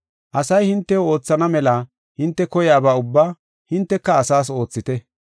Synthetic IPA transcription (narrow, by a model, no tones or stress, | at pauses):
ʔɐsɐjhɪnt̪ːɛo̞ːt͡sːɐnɐmɛlɐ | hɪnt̪ːɛkɔjaːbaːʊbːaː | hɪnt̪ːɛkːɐːsaːs̬o̞ːt͡sːɪt̪ɛ